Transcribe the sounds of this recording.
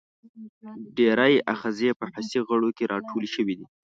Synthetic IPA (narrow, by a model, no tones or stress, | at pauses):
ɖeɾajaxazepəħasiɣəɽokeɾʔɑʈʰolʃəwid̪i